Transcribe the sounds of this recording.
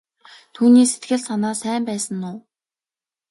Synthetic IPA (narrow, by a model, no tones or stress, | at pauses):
t̪ʰuːniːset̪ɡɘ̆ɮsanaːsæːmpæːsə̆nːʊː